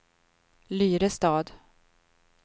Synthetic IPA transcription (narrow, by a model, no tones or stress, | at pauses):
lyːɾəst̪ɑːd̪